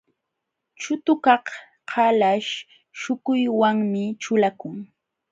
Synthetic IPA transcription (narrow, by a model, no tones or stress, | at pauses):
t͡ʃʊt̪ʊkɑh | hʰalaʃ | ʃʊkʊjwaŋmɪt͡ʃʊlakʊŋ